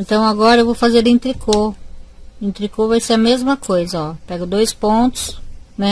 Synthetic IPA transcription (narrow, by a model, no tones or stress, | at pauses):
ẽnt̪ɐ̃w̃aɡɔɾɐewvowfazeɾẽt̪ɾikʰo | ẽt̪ɾikovajseɐmezmɐkojzɐɔpɛɡʊd̪ojspõt̪ʊ̥snɛ